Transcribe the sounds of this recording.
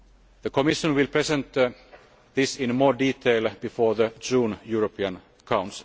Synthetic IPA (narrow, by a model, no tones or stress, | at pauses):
ðəkʰɔmɪʃə̃nwɪlpʰɹɛsɛ̃nt̪ | ðɪsɪ̃nmɔːɹdiːtʰeɪlbɪfɔːɹðəd͡ʒũːnjuɹəpʰiə̃n | kʰãʊ̃nsl